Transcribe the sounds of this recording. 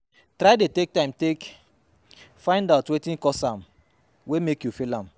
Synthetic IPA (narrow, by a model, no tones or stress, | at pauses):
tɾaɪdetek̚tãɪ̃mtek | fãɪ̃ndaʊtwetĩnkɔsãm | wemekjufilãm